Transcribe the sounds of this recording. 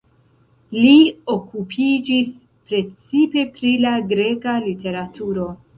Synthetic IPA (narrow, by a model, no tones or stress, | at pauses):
liokupʰid͡ʒis | pɾe̞t͡sipe̞pɾilaɡɾe̞kalite̞ɾatʰuɾo̞